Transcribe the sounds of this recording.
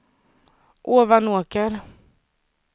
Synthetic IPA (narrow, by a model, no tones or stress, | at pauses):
ʔoːvanoːkəɾ